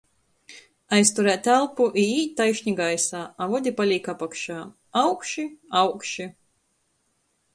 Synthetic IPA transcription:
ajst̪uɾæːt̪ːælˠpuʔiiːt̪ːajʃɲʲiɡajsaːavɔd̪ʲipalʲiːkapakʃaː | awkʃiawkʃi

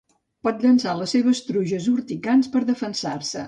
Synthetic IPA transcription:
pɔt̪̚d̪ənsaləsːeβəst̪ɾuʒəzuɾt̪ikanspəɾðəfənsaɾsə

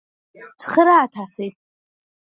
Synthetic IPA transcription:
t͡sʰχəɾaːtʰasitʼ

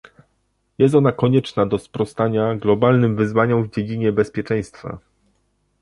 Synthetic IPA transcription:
jɛst̪ɔnakɔɲɛt͡ʂnad̪ɔspɾɔst̪aɲaɡlɔbalnɘmvɘzvaɲɔmvd͡ʑed͡ʑiɲɛbɛspʲjɛt͡ʂɛ̃j̃st̪fa̰

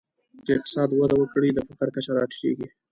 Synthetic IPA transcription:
d̪əɪq̚t̪ɪ̥sɑd̪wad̪awəkɽid̪əfat̪aɾkat͡ʃaɾɑʈlḛɡi

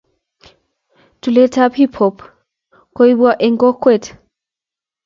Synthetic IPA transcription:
tuletʰaphipʰɔp | koibwaʔeŋɡɔkwɛt

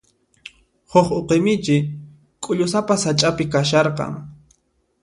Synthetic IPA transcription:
hʊχoqemɪt͡ʃɪ | kʼʊʎʊsapasat͡ʃʼapɪkaʃɑɾqɑ̰ŋ

